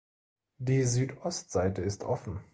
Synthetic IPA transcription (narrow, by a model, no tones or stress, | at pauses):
d̥iːzyːtʔɔstz̥aɪtəɪstʔɔfn̩